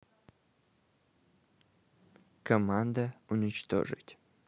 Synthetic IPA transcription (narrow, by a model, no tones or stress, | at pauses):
kʰɐmand̪ɐunʲɪt͡ʃt̪o̰ʐɨ̰tʲ